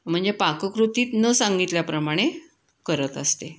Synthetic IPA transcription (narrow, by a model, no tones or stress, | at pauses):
m̤əɳd͡zepakəkɾut̪iːt̪nəsãŋɡit̪ljapɾəmaɽ̃e | kəɾət̪əst̪e